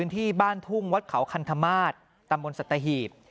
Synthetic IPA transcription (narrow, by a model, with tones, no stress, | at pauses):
ɯː˦˥nt̪ʰiː˥˩baː˥˩nt̪ʰu˥˩ŋwa˦˥t̪̚kʰa˩˦wkʰa˧nt̪ʰa˧maː˥˩t̪̚ːa˧mbo˧nsa˨˩t̪ːa˧ɦiː˨˩p̚